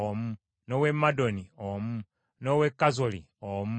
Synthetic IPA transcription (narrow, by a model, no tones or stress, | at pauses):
omu | nowemadoniomu | nowekːazoli | omu